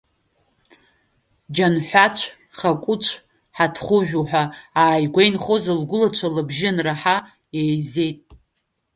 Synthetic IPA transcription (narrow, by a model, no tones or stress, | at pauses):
d͡ʒanħʷat͡ʃʷʰ | χakʷʼʊt͡ʃʷʰ | ħatʰχʷʊʒᶣʷuħʷᶣaaːjɡʷejnχozɨlɡʷʊlat͡ʃʷʰalɨbʒɪnraħa | ejze̞jtʼ